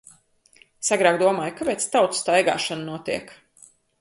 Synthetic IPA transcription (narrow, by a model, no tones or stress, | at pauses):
saɡɾaːɡd̪uɔmaːjukapɛːt̪st̪awt̪sst̪ajɡa̰ːʃannuɔt̪ḭɛk